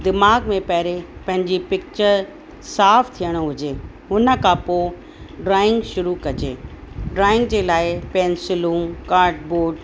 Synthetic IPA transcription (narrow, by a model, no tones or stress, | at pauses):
d̪ɪmaːɡmẽpɐɦɪɾepɐ̃ɦɪ̃ɲd͡ʑipɪk̚t͡ɕəɾ | saːft̪ʰijəɽ̃oɦʊd͡ʑeː | ɦʊnə̆kʰãpo | ɖɾaːɪ̃ŋɡʃʊɾukɐd͡ʑḛː | ɖɾaːɪ̃ŋɡ̚d͡ʑeːlaːɪpɛ̃ːnsɪlũːkaːɾʈboːɖ